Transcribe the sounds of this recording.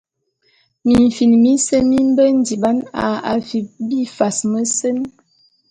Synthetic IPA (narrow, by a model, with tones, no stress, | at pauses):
mi˨ɱ˨fi˨nmi˦sə˦mi˦m˦bə˦n̩˦di˨ba˦na̰˨a̰˨fi˨bi˦fa˨smə˦sə˦n